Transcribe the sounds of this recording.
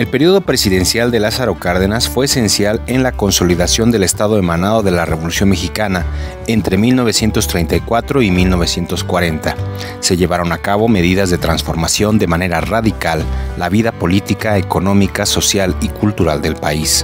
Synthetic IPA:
e̞lpe̞ɾio̞ðopɾe̞siðe̞nsjald̪e̞lasaɾokaɾðenasfwe̞ːse̞nsjale̞nlako̞nso̞liðasjo̞nd̪e̞lest̪aðo̞e̞mãnaðo̞ðe̞lare̞βo̞lusjo̞nmexikana | ent̪ɾe̞milno̞βe̞sje̞nt̪o̞st̪ɾe̞jnt̪ajkwat̪ɾo̞imilno̞β̞e̞sje̞nt̪o̞skwaɾe̞nt̪a | se̞ʝe̞βaɾo̞nakaβo̞me̞ðiðazðe̞t̪ɾansfo̞ɾmasjo̞nd̪e̞mane̞ɾaraðikalːaβiðapo̞lit̪ikaeko̞nõ̞mikaso̞sjalikult̪uɾald̪e̞lpais

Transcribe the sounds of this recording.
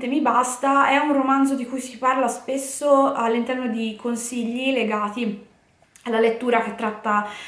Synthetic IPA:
t̪emibast̪aɛunromand̪zod̪ikujsiparlaspesːoalːint̪ɛrnod̪ikʰonsiʎːileɡaːt̪i | alːalet̪ːuːɾak̟et̪ːɾat̪ːa

